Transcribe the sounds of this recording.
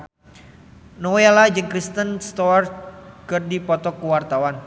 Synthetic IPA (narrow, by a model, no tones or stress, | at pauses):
nowealad͡ʒɨŋkɾist̪ənst̪ɔarkɨrdipɔt̪ɔkuwart̪awan